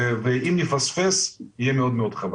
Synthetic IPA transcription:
veʔimnifasfesijemeod̪meod̪χav

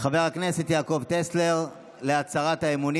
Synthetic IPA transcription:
χave̞ʁakne̞set̪jaːko̞vt̪esle̞ʁ | le̞at͡saʁat̪haemuni

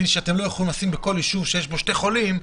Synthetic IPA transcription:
iʃeat̪e̞mlo̞jaχolimlasimbeko̞ljiʃuvʃejeʃbo̞ʃte̞χo̞lim

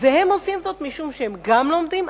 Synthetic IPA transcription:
vehe̞mo̞simzo̞t̪miʃumʃehemɡamlo̞md̪im

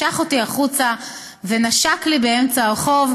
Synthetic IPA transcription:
aχo̞tiaχut͡sa | ve̞naʃaklibeemt͡saχo̞v

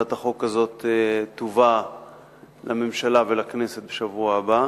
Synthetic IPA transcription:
at̪aχo̞kazo̞t̪etːova | lamemʃalavelakne̞set̪̚beʃavuaːba

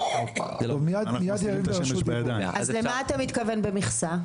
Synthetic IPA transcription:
omijad̪mijad̪jaʁimesudʔazlemaːt̪amit̪kavenbemiχsa

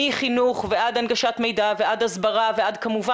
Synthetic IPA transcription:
iχinuχveʔad̪anɡaʃat̪me̞jd̪ave̞ʔad̪hazbaʁavead̪kamuva

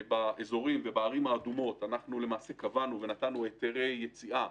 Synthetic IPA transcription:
baezo̞ʁimvebaːʁimaːdumo̞tanaχnule̞maːse̞kavanuve̞nat̪anuet̪eʁe̞jːet͡siʔa

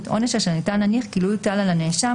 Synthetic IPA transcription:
tʔo̞neʃaʃenitanːaniχɡilujtalalaneʃa

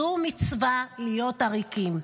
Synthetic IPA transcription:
umit͡svalijo̞taʁikim

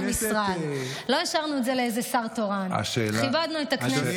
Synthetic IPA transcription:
misʁae | lo̞jaʃaʁnuetzeleejze̞saʁtoʁana̰ʃelivad̪nuet̪akne

